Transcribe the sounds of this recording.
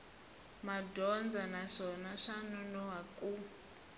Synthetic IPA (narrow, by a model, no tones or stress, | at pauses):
madʱɔnd͡zanaʂɔnaʂanunɔɦaku